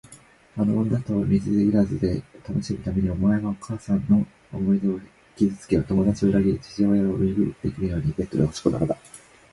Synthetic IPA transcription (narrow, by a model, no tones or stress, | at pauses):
anoond̪at̪o̞mʲizɨiɾazɨd̪e̞t̪ano̞ɕimɯ̟t̪ame̞ɲ̟io̞mae̞ɡao̞kʰaːsãnːo̞ | omo̞id̪e̞o̥ | kʲizɨt͡sɨ̥ke̞βat̪o̞mo̞d̪at͡ɕio̞ɾaɡʲit͡ɕi̥ʑo̞ːjaoɯ̟mʲiɡɯ̟ɾḭt̪ːe̞̰ikʲiɾɯ̟jo̞ːɲ̟ibe̞t̪ːod̪eɦo̞ɕi̥kod̪a̰kad̪a